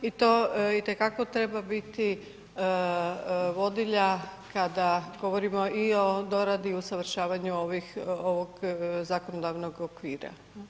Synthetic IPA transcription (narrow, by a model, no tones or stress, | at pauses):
it̪o̞ːit̪e̞kako̞t̪ɾe̞babit̪i | ʋo̞d̪iʎakad̪aɡ̥o̞ʋo̞ɾimo̞io̞d̪o̞ɾad̪iusaʋɾ̩ʃaːʋaɲuoʋixoʋoɡzakonod̪aʋno̞ɡokʋiːɾa̰